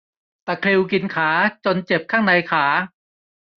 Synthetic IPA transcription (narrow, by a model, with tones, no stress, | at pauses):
t̪a˨˩kʰli˧wki˧nkʰaː˩˦t͡ɕo˧nt͡ɕe˨˩p̚kʰaː˥˩ŋna˧jkʰaː˩˦